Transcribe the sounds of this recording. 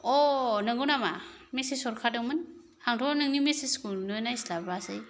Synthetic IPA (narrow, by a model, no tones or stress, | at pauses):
onɯŋɡɯwnama | mesisɔɾkʰadɯŋmɯn | haŋtʰɔnɯŋnimesiskulnɔjnajslabasɯj